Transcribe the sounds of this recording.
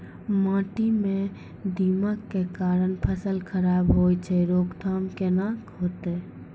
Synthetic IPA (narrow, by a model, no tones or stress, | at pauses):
mãʈimẽ | d̪imakːekaɾənpʰəsəlkʰəɾabɦojt͡ʃʰɛɾoɡd̪ʰʱamkenãkɦot̪e